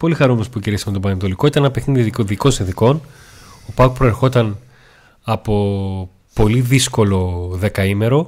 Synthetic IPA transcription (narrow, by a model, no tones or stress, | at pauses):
po̞lixɐɾumenospuciɾisɐmet̪obɐnet̪̬o̞liko̞it̪ɐnenɐpexniðikoðiko̞sinθiko̞n | opɐkpɾo̞eɾxo̞t̪ɐn | ɐpo̞ | po̞liðisko̞lo̞ðe̞kɐime̞ɾo̞